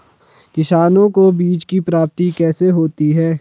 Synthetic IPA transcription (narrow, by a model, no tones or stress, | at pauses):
kɪʃaːnõkobiːd͡ʒkipɾaːp̚t̪ikɛːseɦoːt̪iɦɛː